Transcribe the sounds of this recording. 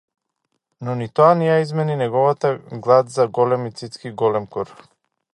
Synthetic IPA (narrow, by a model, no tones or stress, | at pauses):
nɔnit̪ɔanɛjaizmɛninɛɡɔvat̪aɡlˠad̪zaɡɔlɛmit̪sit̪skiɡɔlɛmkɔɾ